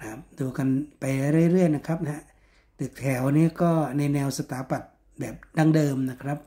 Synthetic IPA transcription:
kʰa˦˥p̚duː˧ka˧npa˧jɾa˧ɾaː˥˩˨jɾɯ˥˩əjna˦˥kʰɾa˦˥p̚na˦˥ | t̪ɯ˨˩k̚t̪ʰɛː˩˦wniː˦˥kɔː˥˩na˧jnɛː˧wsa˧t̪aː˨˩˦pa˨˩t̪̚ | bɛː˨˩p̚daː˧˩ŋdɤː˧mna˦˥˩kʰɾa˦˥p̚

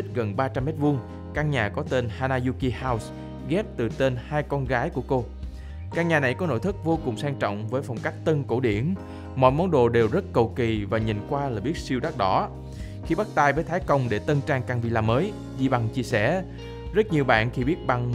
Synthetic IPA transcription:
i˦˥k̟̚ɣə˨˩nɓaː˧t͡ɕa˧mːɛ˦˥t̚vu˧əŋ | kaː˧ŋɲaː˨˩kɔ˨˦t̪e˧nhaː˧naː˧zu˧ki˧haː˧ws | ɣɛ˦˥p̚t̪ɨ˨˩t̪e˧nhaː˧jkɔ˧nɣaː˨˦jku˧˩əko˧ | kaː˧ŋɲaː˨˩na˨˩jkɔ˨˦no̰˧˥jt̪ʰɨ˦˥k̚vo˧kʊ˨˩ŋ͡msaː˧ŋt͡ɕɔ̰˧˨wŋ͡mvəː˨˦jfa˨˩wŋ͡mka˦˥jk̟̚t̪ə˧nko̰˧˩ɗḭ˧˩ən | mɔ̰˧˨jmɔ˨˦nɗo̰˧˨ɗe˨˩wzə˦˥t̚kə˨˩wki˨˩vaː˨˩ɲḭ˨˩nkwaː˧laː˨˩ɓi˦˥ət̚si˧əwɗa˦˥t̚ɗɔ˨˦ | xi˧ɓa˦˥k̚t̪aː˧jvəː˨˦jt̪ʰaː˨˦jkə˧wŋ͡mɗe˧˩t̪ə˧nt͡ɕaː˧ŋkaː˧ŋvḭ˧laː˧mːəː˨˦j | zi˧ɓa˧ŋt͡ɕi˧əsɛ̰˧˩ | zə˦˥t̚ɲi˨˩əwɓa̰ː˧˨nxi˧ɓi˦˥ət̚ɓa˧ŋ

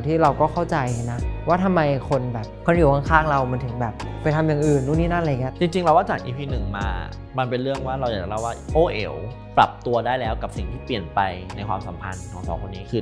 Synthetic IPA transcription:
t̪ʰiː˥˩ɾa˧wkɔː˥˩kʰa˥˩wt͡ɕa˧jna˦˥waː˥˩t̪ʰa˧mːa˧jkʰo˧nbɛː˨˩p̚kʰo˧nʔi˨˩˦kʰɔ˥˩ŋkʰaː˥˩ŋɾa˧wma˧˥nt̪ʰɯ˩˦ŋbɛː˨˩p̚pa˧jt̪ʰa˧mja˨˩ŋʔɯː˨˩nːuː˥˩niː˦˥na˥˩˨ŋi˦˥˧t͡ɕi˧ŋt͡ɕi˧ŋɾa˧waː˥˩t͡ɕaː˨˩k̚ʔiː˧pʰiː˧˩nɯ˨˩ŋmaː˧ | ma˧npe˧nɾɯ˥˩əŋwaː˥˩ɾa˧wjaː˨˩k̚t͡ɕa˨˩la˦˥˩waː˥˩ʔoː˧˩ʔḛ˧˩w | pɾa˨˩p̚t̪u˧ɐdaː˥˩jlɛː˦˥wka˨˩p̚si˨˩ŋt̪ʰiː˥˩pli˨˩ənpa˧jna˧jkʰwa̰ː˧msa̰˨˩˦mpʰa̰˧nk̪ʰɔː˨˦sʰɔ̰ː˨˦kʰo˧nːiː˦˥kʰɯː˧

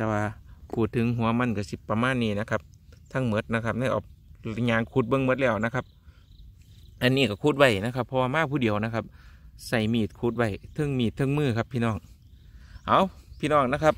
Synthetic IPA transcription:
t̪ɛː˧waː˧pʰuː˧˩t̪ʰːɯ˧˦ŋɦu˧˦ɐma˧˥˨nkaː˧˩si˧˦pa˧maː˧˥˨nːiː˧˩˨na˧kʰa˧p̚ | t̪ʰa˧˨ŋmɤ˧˥t̪̚na˧kʰa˧˥p̚na˧˩˨jʔɔ̰ː˨˩k̚a˧ɲaː˧˨ŋkʰuː˧˩t̪̚bɤ˧˨ŋmɤ˧˥t̪̚lɛː˧˩wna˧˥kʰa˧p̚ | ʔa˨nːiː˧˩ka˧˩kʰuː˧˩t̪̚wa˧˩jna˧˥kʰa˧˥pʰːɔ˧waː˧maː˧˥˨pʰuː˧˨di˨əwna˧˩kʰa˧˥p̚sa˧˩jmiː˧˩t̪̚kʰuː˧˩t̪̚wa˧˩jt̪ʰɤ˧˨ŋmiː˧˩t̪ʰːɤ˧˥˨ŋmɯː˧˩kʰa˧˥pʰːiː˧nɔː˧˩ŋ | ʔa˧˨wpʰiː˧˥˨nɔː˧˩˨ŋna˧˥kʰa˧p̚

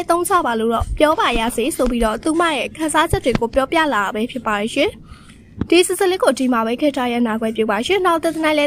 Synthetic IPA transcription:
t̪õ˦ʊ̃t͡ɕʰa̰˦˨ba˨lo̰˦˨ɾɔ̰˦˨pjɔ˦ba˨ja̰˦˨ze˨˦sʰo˨pi˦dɔ̰˦˨t̪u˨m̥a̰˦˨jɛ˦˨kʰã˨za˦d͡ʑɛ˦tːwe˨ɡo˨pjɔ˦pja̰˦˨la˨bɛ˦pʰjɪ˦˨pːa˨ɾi˨ʃɪ̰̃˦˨ | d̥i˨sɪ˨sə˨lɪ˦kːo˨ti˨ma˨βɛ˦kʰɛ˦˨tʰa˦ja̰˦˨na˨ɡwɛ˦˨pjṵ˦˨pa˨ʃɪ̰̃˦˨na˦ʊt̪ɛ˦˨t̪ə˨nã˦lɛ˦

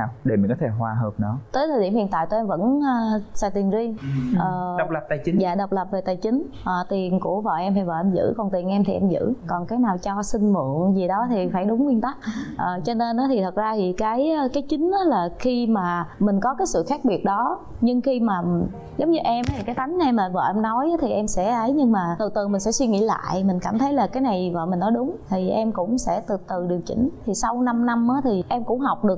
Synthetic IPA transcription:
a˨˩ɗe˨˧˩mi˨˩nkɔ˨˦t̪ʰe˧˩ɦwaː˧˩ɦəː˨˩p̚nɔ˨˦t̪əː˨˦jt̪ʰəː˨˩ɗi˧˩əmhḭ˧ənt̪a̰ː˧˨t̪o˧˩ʔɛ˧mvə̰˧˥nː˧˩saː˨˩jt̪i˨˩nzi˧ŋʔʔəː˨˩˨w̚lə˨˩p̚t̪aː˨˩jt͡ɕi˨˦ja̰ː˧˨ɗə˨˩wk͡p̚lə˨˩p̚ve˨˩t̪aː˨˩jt͡ɕï˨˦ŋ̟ | ʔəː˨˩t̪i˨˩ənku˧˩əva̰˨˩wʔɛ˧mt̪ʰvaː˨˩wʔɛ˧mzɨ̰˧˥kɔ˨˩nt̪i˨˩ənʔɛ˧mt̪ʰi˨˩ʔɛ˧mzɨ̰˧˥kɔ˨˩nkaː˨˦jnaː˨˩wt͡ɕɔ˧sï˧ŋmṵ˧˨ənzi˨˩ɗɔ˨˦t̪ʰi˨˩faː˧˩jɗʊ˨˦ŋ͡mkwi˧ənt̪a˦˥k̚ʔəː˨˩t͡ɕɔ˧ne˧nʔɔ˨˦t̪ʰi˨˩t̪ʰə˨˩t̚zaː˧t̪ʰi˨˩kaː˨˦jkaː˨˦jt͡ɕï˨˦ŋ̟ʔa˨˦laː˨˩xi˧maː˨˩mï˨˩ŋ̟kɔ˨˦kaː˨˦jsɨ̰˧˨xa˦˥k̚ɓi˨˩ət̚ɗɔ˨˦ | ɲɨ˧ŋxi˧maː˨˩ | zə˨˦wŋ͡mɲɨ˧ʔɛ˧mʔt̪ʰi˨˩kaː˨˦jt̪a˨˦jŋ̟na˨˧jmaː˨˩və̰ː˨˩ʔɛ˧mnɔ˨˦jʔaː˨˦t̪ʰi˨˩ʔɛ˧msɛ̰˧˥ʔə˨˦jɲɨ˧ŋmaː˨˩t̪ɨ˨˩t̪ɨ˨˩mï̟˨˩sɛ̰˧˥swi˧ŋḭ˧˥la̰ː˧˨jmï˨˩ŋ̟ka̰ː˧˩mt̪ʰə˨˦jlaː˨˩kaː˨˦jna˨˩jvə̰ː˧˨mï˨˩ŋ̟nɔ˨˦jɗʊ˨˦ŋ͡mt̪ʰi˨˩ʔɛ˧mkʊ̰˧˥ŋ͡msɛ̰˧˥t̪ɨ˨˩t̪ɨ˨˩ɗɨ˨˩əŋt͡ɕḭ̈˧˩˦ŋ̟t̪ʰi˨˩sa˧wna˧mna˧mʔaː˨˦t̪ʰi˨˩ʔɛ˧mkʊ̰˧˥ŋ͡mɦa˨˩wk͡p̚ɗɨ˨˩ək̚

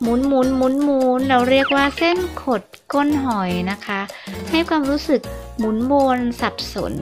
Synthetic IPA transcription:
muː˨˩˦nmuː˨˩˦nmuː˨˦˥nmuː˩˦˩nɾa˦˥˩wɾi˥˩ək̚waː˥˩se˥˩nkʰo˨˩t̪̚ko˧˩nɦɔ˨˩jna˦˥kʰa˦˥ha˥˩jkʰwaː˧mɾuː˦˥sɯ˨˩k̚muː˩˦nboː˧nsa˨˩p̚so̰˨˩˦n

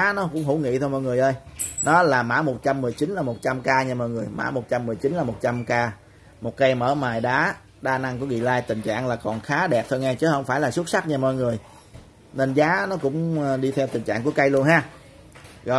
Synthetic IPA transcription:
nɔ˨˦kʊ̰˧˥ŋ͡mɦu˧˩wŋḭ˧˨t̪ʰo˧jmɔ̰˧˨jŋ˨˩əjʔə˧jnɔ˨˦laː˨˩maː˧˥mo˨˩t̚t͡ɕa˧mːɨ˨˩əjt͡ɕi˨˦n̟laː˨˩mo˨˩t̚t͡ɕa˧mkaː˧ɲaː˧˩məː˧˨jŋɨ˨˩əjma̰ː˧˩˥mo˨˩t̚t͡ɕa˧mːɨ˨˩əjt͡ɕi˨˦nlaː˨˩mo˨˩t̚t͡ɕa˧mkaː˧ | mo˨˩t̚kə˧jməː˧˩maː˨˩jɗaː˨˦ | ɗaː˧na˧ŋku˧˩əɣḭ˧˨laː˧jt̪ï˨˩ŋ̟t͡ɕa̰ː˧˨ŋlaː˨˩kɔ˨˩nxaː˨˦ɗɛ˨˩p̚t̪ʰo˧jŋɛ˧t͡ɕɨ˨˦hə˧wŋ͡mfaː˧˩jlaː˨˩su˦˥t̚sa˦˥t̚ɲaː˨˩mɔ˧˨jŋɨ˨˩əj | ne˧nzaː˨˦nɔ˨˦kʊ̰˧˥ŋ͡mɗi˧t̪ʰɛ˧wt̪ï˨˩ŋ̟t͡ɕa̰ː˧˨ŋku˧˩əka˧jlu˧ənɦaː˦˥ | ɣɔ̰˧˨

